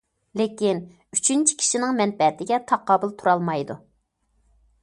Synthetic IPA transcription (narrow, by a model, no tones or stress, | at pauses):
lɪkʲin | yt͡ʃʰynt͡ʃʰi̥kʲʰi̥ʃinɪŋmɛnpɛt̪ʰɪɡʲɛt̪ʰɑqɑːbʊlˠt̪ʰuɾɑlˠmɑjd̪u